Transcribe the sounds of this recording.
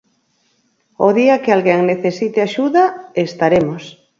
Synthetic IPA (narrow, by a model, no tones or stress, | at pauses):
oðiakɪalɣeŋneθesit̪eaʃuðaest̪aɾemos